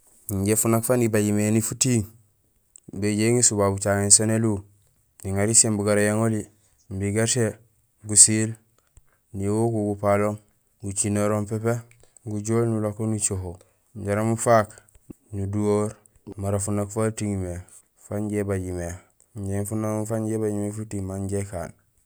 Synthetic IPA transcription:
ɲɟefunakfanibaɟimenifutiŋ | beɟeŋisubabut͡ʃaŋensonelu | niŋaɾisembuɡaɾajaŋoli | mbiɡate | ɡusil | niwokuɡupaloŋ | ɡut͡ʃinoɾompepe | ɡuɟoːlnulokonut͡ʃoɦo | ɲɟaɾamufak | nuduoɾ | maɾafunakfatiŋime | faɲɟebaɟime | ɲɟeŋfunaufaɲɟebaɟimefutimaɲɟeka̰ːn

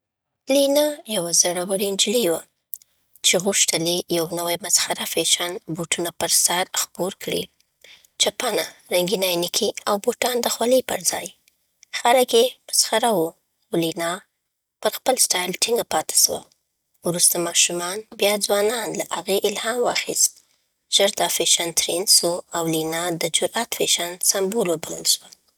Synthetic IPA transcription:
linɑjawazaɽawəɽind͡ʒliwa | t͡ʃeɣuʃt̪əlejawnawajmasxaɾafeʃɑnbuʈunapəɾsaɾxboɾkɽḭ | t͡ʃapanaɾaŋɡinajnikʰiawboʈɑnd̪əxwaləpə̰ɾzɑj | xaləkjepə̥sxaɾawo | wlinɑ | pəɾxpəlsʈɑjlʈiŋɡapɑt̪ḁswa̰ | wɾust̪amɑʃumɑnbjɑd͡zwɑnɑnlaʔaɣeʔɪlhɑmwɑxist̪̚ | ʒ̥əɾd̪ɑfeʃant̪ɾensoawlinɑd̪əd͡ʒʊɾat̪feʃansambolobaləlʃwa

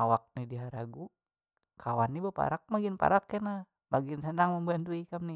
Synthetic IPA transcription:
awak̚nidiɦaɾaɡu | kʰawanːibapa̰ɾak̚maɡinpa̰ɾakːɛna | maɡinsənaŋməmbant̪uikamni

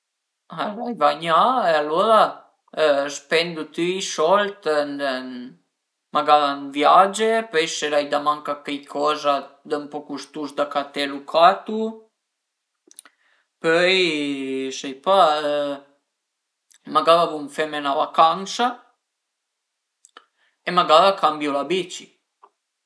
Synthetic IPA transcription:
aɾajvaɲaealːoɾa | əspɛnd̪ut̪yisɔlt̪nd̪ə | maɡavanvjad͡ʒepœjseɾajd̪amaŋkakɛjkʰɔzad̪əmpɔkust̪usd̪akat̪ɛlukʰat̪u | pœj | sɛjpa | maɡavavuɱfɛmenavakaŋsa | emaɡavakambjulabit͡ʃi

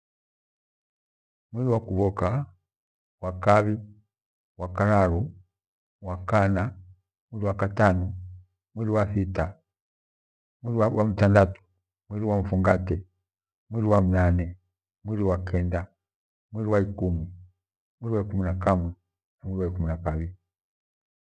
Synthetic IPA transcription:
mwiɾiwakuβɔka | wakaβi | wakaɾaɾu | wakana | mwiɾiwakatanɔ | mwiɾiwasita | mwiɾiwawam̩tandatu̥ | mwiɾiwaɱ̩fuŋɡatɛ | mwiɾiwamunanɛ | mwiɾiwakɛnda | mwiɾiwaikumi | mwiɾiwaikuminakamwɛ | namwiɾiwaikuminakaβili

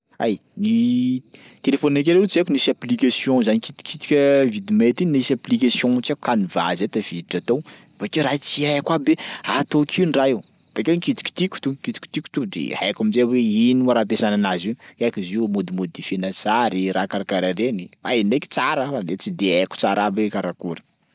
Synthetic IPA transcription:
a̰jni | t̪elefoninak̬eɾeut͡siekunisaplikasjɔ̃zanikit̪i̥kʰit̪i̥kʲəvid̪imet̪innisaplikasijɔ̃ut͡sakukaniva̰zet̪av̥id̪iʈ͡ʂat̪ow | vakiɾat͡siakwaberaɦat̪okʰiwnraiw | v̥akʲenikit̪i̥kʲi̥t̪ikʲu̥t̪ukit̪i̥kʲt̪iku̥t̪ud̪ḛhajkamizeweiniaɾap̬esananaziakiziumod̪imod̪ifenasaɾiɾakaɾakaɾaɾenia̰jneki̥t͡saɾəfad̪et͡sid̪eaku̥t͡saɾabekaɾakuɾə̥

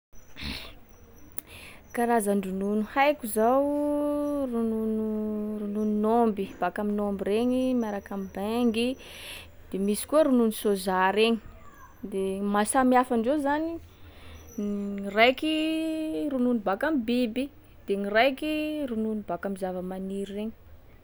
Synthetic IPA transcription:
kaɾazaɳɖ͡ʐununuhajkuzaw | rununurunununombib̥akaminombireɲimiaɾakamibaŋɡi | d̪̥emisi̥kuəɾununisozaɾeɲi̥ | d̪emasamiafaɳɖ͡ʐezani | irajki | rununubakamibibi | d̪̥eŋirajkirununubakamizavəmaniɾireɲi̥

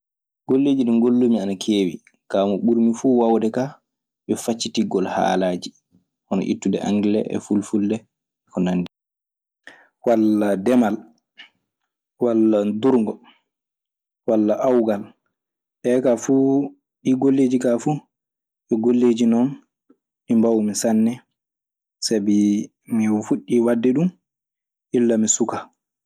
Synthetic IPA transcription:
ɡ̥olːeːd͡ʒiɗunɡolːumianakʰeːwḭ | kaːmɔɓuɾmifuːwawdɛkaː | ɓɔfat͡ʃːitiɡɔlha̰ːlaːd͡ʒi | hɔnɔ̰ʔḭtːudɛʔa̰ŋɡɛlɛ̰ʔɛ̰fulfuldɛ | kɔnanːdi | waladɛmal | walːanduɾŋɡɔ | walːaʔawɡal | ʔɛkafu | ɗiɡolːed͡ʒikafu | ʔɛɡolːed͡ʒinɔn | ʔimbawmisanːɛ | sabi | mifuɗːiwadːɛɗum | ʔilːamisuka

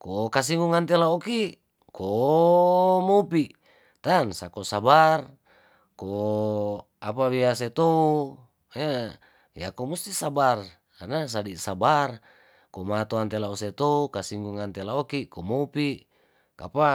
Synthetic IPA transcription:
kokas̬iŋɡuŋant̪elaoki | ko | mopiʔ | t̪ansakosabar | ko | apaβias̬et̪ou | he | ja̰komust̪isabar | kanas̬adisabar | komat̪oant̪elaoset̪oukasiŋɡuŋant̪elaokikomoupiʔ | ka̰pa

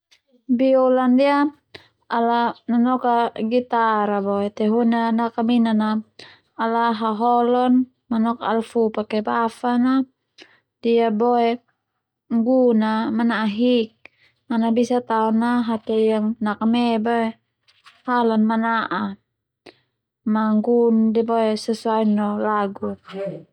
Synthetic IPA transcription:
biolandia | alananɔkaɡit̪aɾabɔɛt̪ɛɦunanakaminanaː | laɦaɦɔlɔn | manɔka̰lfupakɛbafana | d̥iabɔɛ | ŋɡunamanaɦik̚ | manabisat̪aɔnaɦat̪ɛjaŋnakamɛbae | halanmanaʔa | maŋɡundibɔɛsɛsuainɔlaɡu

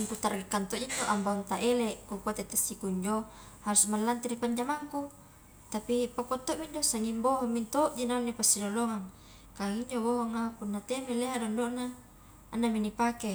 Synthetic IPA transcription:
iŋkut̪arɡekːant̪oʔd͡ʒiɲd͡ʒoʔambaŋt̪aʔeleʔkukuat̪et̪asːikuiɲd͡ʒo | haɾusmalːant̪iɾipaɲd͡ʒamaŋku | t̪apipakot̪ːoʔmiɲdosaŋimboɦomːint̪oʔd͡ʒinanːepasːinoloŋaŋ | kaŋiɲd͡ʒoboɦoŋapunːat̪emileɦadondoʔnaː | nːaminipake

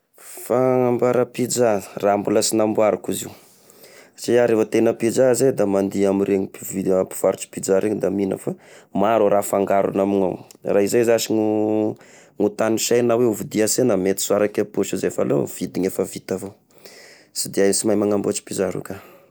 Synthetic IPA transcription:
faŋambaɾapid͡ʒarambuləsinambuaɾukuziw | t͡ʃiaɾefat̪enəpid͡ʒazed̪amand̪iamiɾeŋipivipi̥v̥aɾut͡ʃi̥pid͡ʒaɾʔeɲid̪amina̰famaɾuɾafaŋɡaɾṵnamiɲa̰wraizazaʃiŋu | ŋut̪aniʃajnaweuvid̪iasenamet̪i̥suaɾakapuʃizefalo̰v̥id̪iɲefəvit̪avo | sid̪iasimajmaŋambuat͡ʃi̥pid͡ʒaɾṵka

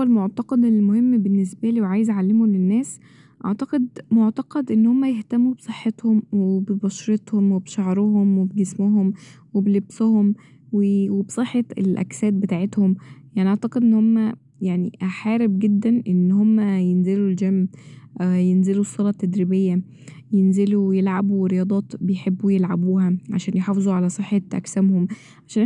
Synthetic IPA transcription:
ʔæwælmoʕt̪ɑqɑd̪elmohemːbenːesbæliːwʕaːjezʕalːemulenːæːs | ʔɑʕt̪ɑqed̪moʕt̪ɑqɑd̪ʔenːhomːæjeht̪æmːubsˤeħːet̪homwebebɑʃɾet̪homwebʃɑʕɾˤohomwebeɡesmoɦomweblebsohom | wewebsˤeħːeelʔæ̰ksæːt̪̚bet̪aːʕet̪homjaʕniʔaʕt̪ɑqed̪ʔenːhomːæ | jaʕnḭħaːɾeb̚ɡed̪ːænʔenːhomːæjenzeluld͡ʒæm | jenzelusˤːolɑt̪ːæd̪ɾibejːæ | jenzeluwejelʕabuweɾejɑːd̪ˤɑːt̪bejħebːujelʕabuːhæʕaʃæːnjħɑːfezˤuʕalæsˤɨħːɑʔæ̰ksæmhom | ʕaʃæːn

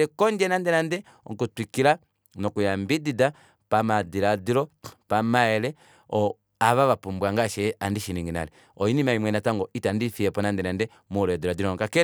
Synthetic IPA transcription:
ɛkɔnd͡ʒɛnandɛnandɛ | ɔŋkutwikila | nɔkujambidida | pamadiɾadiɾɔpamaɛlɛ | ɔ | aβaβapumbwaŋɡaʃɛandiʃiniŋɡina̰lɛ | ɔinimaimwɛnataŋɡɔitandifiɛpɔnandɛnandɛ | mulɔɛdiɾadiɾɔŋkakɛ

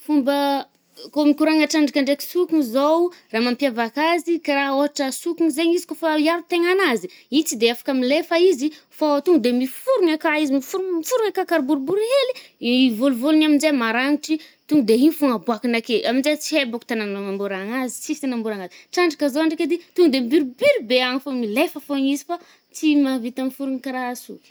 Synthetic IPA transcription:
fumbə | komikuɾaŋaʈ͡ʂaɳɖ͡ʐakaɳɖ͡ʐeki̥sukuŋizowraːmampjavakazikaɾaoɦaʈ͡ʂəsukuŋizeɲizi̥kofajaɾut̪eŋanaziit͡sid̪eafḁkamilefaizi | faat̪uŋud̪emifuɾuŋakaizimifuɾumifuɾuŋakakaɾbuɾbuɾeliivoluvolunamind͡ʒemaɾaŋiʈ͡ʂit̪uŋɡd̪einifuŋabuakinakeamind͡ʒet͡siebaku̥t̪ananomambuɾaŋazi̥t͡sifi̥t̪anambuɾaŋaziʈ͡ʂaɳɖ͡ʐakazoaɳɖ͡ʐaked̪it̪uŋɡd̪embiɾibyɾbeaŋifomilefəfoɲizifa | t͡simavit̪amifuɾuŋikaɾasukʲi̥

